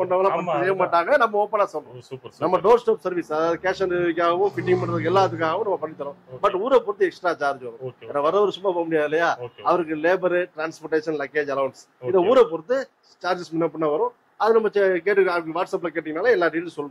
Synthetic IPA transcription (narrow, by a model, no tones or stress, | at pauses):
pɐɳːɐʋɐlãpɐɳːɐneːmaːʈːaːŋɡɐnɐmːɐoːpːɐnaːsɔlɾʊ̃nɐmːɐɖoːɾsʈaːpsɐɾʋɪsɐðaːðɯkeːʂɐnd̪ɪkʲːaːɣɐʋʊ̃fɪʈ̬ːɪŋpɐɳɾɐðɯk̬ːɛlːaːðɯkːaːɣɐʋõnɐmːɐpɐɳːɪt̪ːɐɾʊ̃bɐʈːuːɾɐpɔɾɯt̪ːɯɛksʈɾaːt͡ʃaːɾd͡ʒʋɐɾʊ̃ɛnaʋɐɾɐʋɐɾɯsʊmːaːpoːɐmʊɽɪjaːðɪlːɐjaːɐʋɐɾɯkːɯleːbɐɾɯʈɾaːnspɔɾʈeːʂɐnlɐkːeːd͡ʒɐlɐʊɳs | ɪðɐuːɾɐpɔɾɯt̪ːɯ | t͡ʃaːɾd͡ʒɪsmʊnːɐp̬ːɐɳːãːʋɐɾʊ̃ | ɐðɯnɐmːɐt͡ʃkeːʈːɯɐkːɯʋaːʈsɐp̬ːlɐkeːʈːɪŋɐnaːlɐɛlːaːɖiːlsɔlːɯ̃